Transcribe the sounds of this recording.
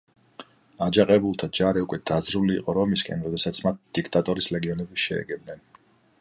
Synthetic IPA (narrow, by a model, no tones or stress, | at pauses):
ad͡ʒaqʼɛbulˠt̪ʰad͡ʒaɾiukʼwɛd̪̥azɾuliːqʼɔɾɔmiskʼɛnɾɔd̪ɛsat̪sʰmat̪̚d̪̥ikʰt̪ʼat̪ʼɔɾislɛɡiɔnɛbiʃɛ̰ɛ̰ɡɛb̚nɛn